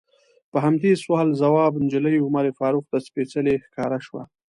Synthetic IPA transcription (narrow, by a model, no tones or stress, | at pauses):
pəɦamd̪eswɑlzawɑbnd͡ʒələjʊmaɾefɑɾuqd̪aspet͡səlexkɑɾaʃwa̰